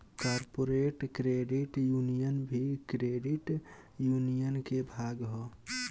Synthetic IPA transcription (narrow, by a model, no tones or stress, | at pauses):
kaɾpoɾeʈkɾeɖiʈjunijənbʱikɾeɖiʈ | junijənkebʱaɡɦɔ